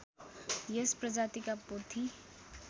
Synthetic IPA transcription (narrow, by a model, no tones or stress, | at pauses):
jespɾəd͡ʒaːt̪ikapot̪ʰi